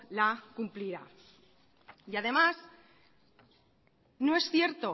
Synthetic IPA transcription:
lakumpliɾa | jaðe̞mas | no̞e̞sθje̞ɾt̪o̞

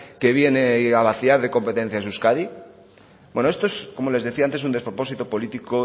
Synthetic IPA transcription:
ke̞β̞je̞ne̞aβaθiaɾðe̞ko̞mpe̞t̪e̞n̟θjasuskaði | bwe̞noe̞st̪oesko̞mo̞lezðe̞θiant̪esund̪e̞spɾo̞po̞sit̪o̞po̞lit̪iko

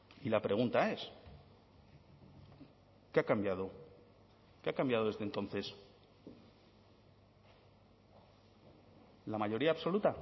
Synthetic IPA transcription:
ilapɾe̞ɣ̞unt̪ae̞s | keakambjað̞o̞ | keakambjaðoðe̞zðent̪õ̞n̟θes | lamaʝo̞ɾiaːβso̞lut̪a

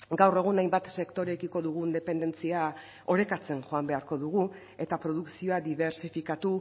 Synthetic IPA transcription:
ɡawre̞ɣ̞unajmbat̪se̞kt̪o̞ɾe̞ːkiko̞ðuɣ̞uind̪e̞pe̞nd̪e̞nt͡sia | o̞ɾe̞kat͡se̞nʝo̞ambe̞aɾko̞ðuɣ̞u | e̞t̪apɾo̞ð̞uksio̞ad̪iβe̞ɾsifikat̪u

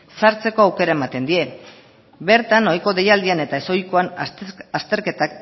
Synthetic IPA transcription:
saɾt͡se̞ko̞awke̞ɾae̞mat̪e̞nd̪ie̞ | be̞ɾt̪anojko̞ðe̞jald̪iane̞t̪ae̞so̞jkoanast̪e̞ɾke̞t̪ak

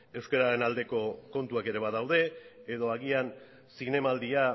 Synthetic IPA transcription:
e̞wskaɾaɾe̞nald̪e̞ko̞ko̞nt̪uake̞ɾe̞βaðawð̞e̞eðo̞aɣian | siɣne̞maːld̪ia

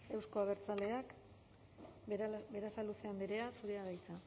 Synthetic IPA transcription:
e̞wsko̞aβ̞e̞ɾt͡sale̞ak | be̞ɾasaluse̞and̪iɾe̞asuɾeaɣajt͡sa

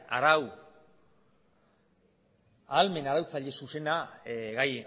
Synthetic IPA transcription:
a̰ɾaw | alme̞naɾawt͡saʎe̞suse̞naɣaj

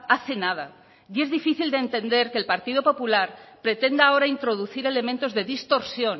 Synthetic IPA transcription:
aθenaða | ezðifiθild̪ent̪e̞nd̪e̞ɾkelpaɾt̪ið̞o̞po̞pulaɾpɾe̞t̪e̞nd̪ao̞ɾaint̪ɾo̞ð̞uθiɾe̞le̞mẽnt̪o̞zðe̞ðist̪o̞ɾsjo̞n

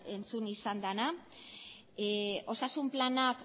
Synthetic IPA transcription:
e̞nt͡sunisand̪ana | ʔo̞sasumplanaf

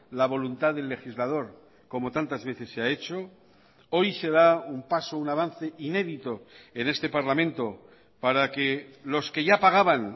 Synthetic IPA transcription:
laβ̞o̞lunt̪aðe̞lːe̞xizlað̞o̞ɾ | ko̞mo̞t̪ant̪azβe̞θe̞sːeae̞t͡ʃo̞ | o̞jse̞ðaumpasounaβ̞an̟θe̞ʔine̞ðit̪o̞ene̞st̪e̞paɾlamẽ̞nt̪o̞ | paɾake̞lo̞ske̞ʝapaɣ̞aβan

